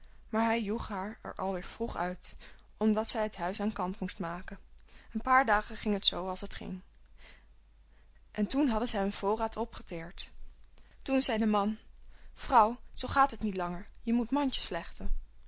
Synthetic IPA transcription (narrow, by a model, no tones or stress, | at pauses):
maːɹɦɛjjuχɦaːɹɛ̰ɹʔɑ̰lˠʋɪːɹv̥ruχœɥt | ɔmdɑtsɛjɦətɦœɥsaːnkɑntmustmaːkənənpaːɹdaːχəχɪŋɦətsowɑlˠsɦətχɪ̰ŋ | ʔɛntunɦɑdənzɛjənv̥ʊːraːtʰɔpχə̥tɪːɹt | tunzɛjdəmɑnv̥rʌwz̥owχaːtɦətnitlɑŋəɹjəmutmɑncə̥slɛχtən